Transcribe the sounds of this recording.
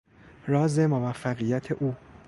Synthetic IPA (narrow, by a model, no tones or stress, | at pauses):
ɾɒːze̞movæfːæɣijæt̪ʰe̞ʔuː